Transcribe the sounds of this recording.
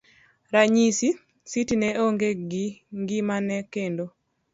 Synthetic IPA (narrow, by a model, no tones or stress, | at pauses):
ɾaɲisi | sitinɛʔoŋɡeɡiŋɡimanɛkendo